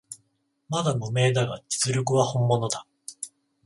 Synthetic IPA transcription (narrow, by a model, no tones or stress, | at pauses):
mad̪amome̞ːd̪aɡa̰d͡ʑi̥t͡sɨɾʲok̬ɯ̟βahõ̞mːo̞no̞d̪a